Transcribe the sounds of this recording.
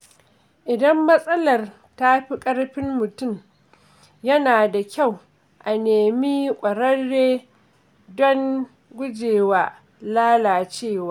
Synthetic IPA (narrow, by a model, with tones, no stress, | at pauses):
ʔɪ˨dɐ˦mːɐ˦sʼɐ˦lɐ˨r | ta˦ɸi˦kʼɐ˦ɽɸɪ˦mːʊ˨tʊ˦˨m | jɐ˦naː˨da˨kʲa˦˨w | ʔa˨neː˨miː˦kʷʼɐ˨ɾɐ˦rːeː˦ | dɔ˦ŋ | ɡʷʊ˦d͡ʒeː˨waː˨ | laː˦laː˨t͡ʃeː˦˨waː˦